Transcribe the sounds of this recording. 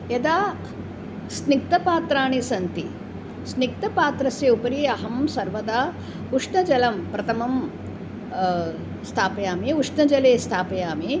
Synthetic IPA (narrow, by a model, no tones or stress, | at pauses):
jɐd̪aː | snik̚t̪ɐpaːt̪ɾaːɳisɐnt̪i | snik̚t̪ɐpaːt̪ɾɐsjɐupɐɾiɐɦɐmsɐɾʋɐd̪aː | uʂnɐd͡ʒɐlɐmpɾɐt̪ʰɐmɐm | st̪ʰaːpɐjaːmiuʂnɐd͡ʒɐleːst̪ʰaːpɐjaːmi